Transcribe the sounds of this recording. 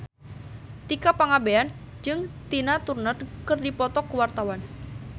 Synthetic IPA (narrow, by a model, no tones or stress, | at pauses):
t̪ikapaŋabean | d͡ʒɨŋt̪inat̪urnət̪kərdipɔt̪ɔkəwart̪awan